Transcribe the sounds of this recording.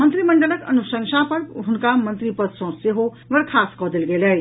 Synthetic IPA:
mənt̪ɾiməɳɖələkə̰nusəŋsapəɾɦunkamənt̪ɾipəd̪sɔ̃seɦo | bəɾkʰaskɔd̪elɡeləj

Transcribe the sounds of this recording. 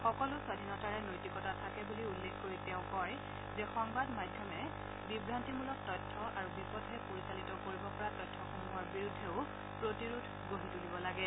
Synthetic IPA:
xɔkɔlʊswadʱinɔtaɹɛnojtikɔtatʰakɛbuliulːekkoɹiteʊ̃kɔj | zɛxɔŋbadmadʱjɔmɛ | bibɹantimulɔk̚tɔjtʰːɔʔaɹubipɔdʱɛpoɹisalitɔkoɹibɔpɔɹatɔjtʰːɔxomuɦɔɹbiɹudʱːeʊ | pɹotiɹudʰʱɡoɦitulibɔlaɡɛ

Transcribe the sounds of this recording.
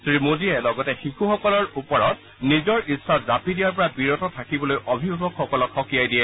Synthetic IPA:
sɹimodiɛlɔɡɔtɛxikuxɔkɔlɔɹupɔɹɔt̚ | nizɔɹisːazapidijaɹpɔɹabiɹɔtɔtʰakibɔlojʔɔbʱibʱabɔkxɔkɔlɔkxɔkijajdijɛ

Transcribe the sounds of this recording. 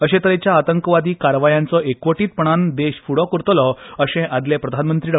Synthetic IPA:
əɕẽt̪əɾẽt͡ɕjaːt̪əŋkəʋad̪iːkaɾʋajãnt͡sɔekʋəʈiːt̪̚pəɳ̃and̪eɕfuɽɔkəɾt̪lɔəɕẽʔad̪lepɾəd̪ʱanmənt̪ɾiːɖə

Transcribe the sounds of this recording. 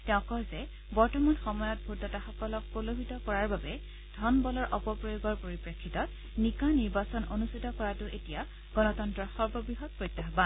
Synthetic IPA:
tɛ̃ʊ̃kɔɹzɛ | bɔɹtɔmanxɔmɔjɔt̚bʱutɔtaxɔkɔlɔk̚polobʱitɔkɔɹaɹbabɛ | d̥ʱɔnbɔlɔɹʔɔpɔpɹojoɡɔɹpoɹipɹekʰːitɔt̚ | nikaniɹbasɔnʔonustitɔkɔɹatʊʔetija | ɡ̥ɔnɔtɔntɹɔxɔɹbɔbɹiɦɔt̚pɹojtːɔɦɔba

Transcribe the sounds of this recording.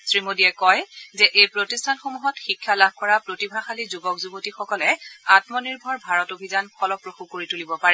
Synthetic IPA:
sɹimodiɛkɔjzɛʔejpɹotistʰanxomuɦɔtxikʰːalabkɔɹapɹotibʱaxalizubɔkzubotixɔkɔlɛatmɔniɹbʱɔɹbʱaɹɔtobʱizanpʰɔlɔpɹoxukoɹitulibɔpaɹɛ

